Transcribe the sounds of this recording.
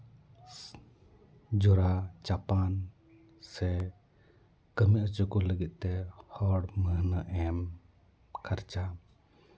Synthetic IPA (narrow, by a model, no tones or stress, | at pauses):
d͡ʒɔɾat͡ʃapan | sɛ | kəmiʔət͡ʃukuləɡit̪̚ˀt̪ɛhɔɽməɦnəʔɛm | kʰaɾt͡ʃa